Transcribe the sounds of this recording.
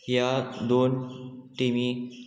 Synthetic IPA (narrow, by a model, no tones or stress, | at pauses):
jad̪onʈimi